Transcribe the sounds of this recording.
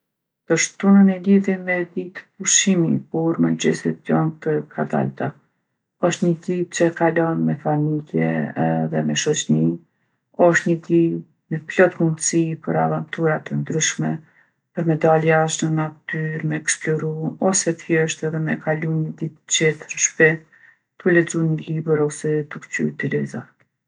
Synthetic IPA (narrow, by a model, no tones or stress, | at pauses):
d̪̥əʃt̪unənɛliðjɛmɛd̪it̪ə̥p̚uʃimipɔɾmand͡ʑɛ̰sɛt̪̚d͡ʒɔnt̪əkʰad̪a̰lt̪a | ɔʃt̪ɲəd̪it͡ɕəkalɔnmɛfamiljɛ̰ɛðɛmɛʃɔt͡ɕni | ɔʃt̪ɲəd̪i | mɛplɔt̪mund̪sipəɾavant̪uɾat̪ənd̪ɾyʃmɛ | pəɾmɛd̪aliaʃnənat̪yɾmɛːksplɔɾunɔsɛt̪jɛʃt̪ɛðɛmɛkʰalunəd̪it̪t͡ɕɛt̪əɾʃpɛ | t̪ulɛd͡zunəlibəɾɔsɛt̪ukt͡ɕṵt̪əlɛza